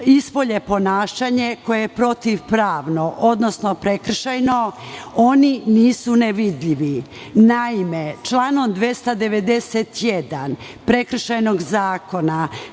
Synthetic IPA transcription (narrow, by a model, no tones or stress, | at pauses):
ispoʎepo̞naːʃaɲe̞ko̞jejepɾo̞t̪iʋpɾaːʋno̞ʔod̪no̞sno̞pɾekr̩ʃajno̞o̞niniːsuneʋid̪ʎiʋinaimet͡ʃlˠaːno̞md̪ʋest̪ad̪e̞ʋe̞d̪e̞set̪jed̪an | pɾe̞kɾ̩ʃajnoɡzaːko̞na